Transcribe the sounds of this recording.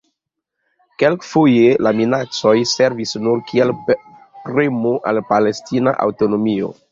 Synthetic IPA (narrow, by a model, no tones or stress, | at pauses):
kelkfojelaminat͡so̞jse̞ɾvisnuɾkʰiel | pɾemoʔalpale̞stina̰ʔa̰wto̞no̞mio̞̰